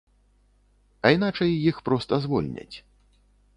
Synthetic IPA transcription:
ɐin̪at͡ʂɐjːixpɾɔst̪ɐzvɔlʲnʲɐ̰t͡sʲ

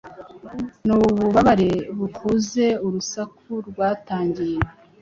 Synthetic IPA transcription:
nuβuβaβaɾeβukʰoze̞uɾusakʰuɾɡwaːtaːɲɟije

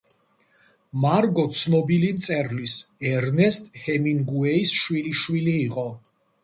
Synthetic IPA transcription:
maɾɡɔt̪sʰnɔbilimt̪sʼɛɾlisɛɾnɛst̪ʼhɛmiŋɡuɛisʃwiliʃwiliːqʼɔ

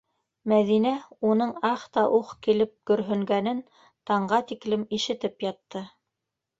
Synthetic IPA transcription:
mæðinæunɤɴɑχt̪ɑʔuqkilɘp̚kɵ̆ɾɦɵ̆ŋɡænɘn | t̪ɑɴɢɑt̪iklɘmiʃɘ̆t̪ɘpjɑt̪ːɤ

